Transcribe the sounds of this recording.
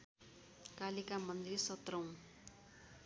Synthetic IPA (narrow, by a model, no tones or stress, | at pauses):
kalikamʌnd̪risʌt̪rʌw̃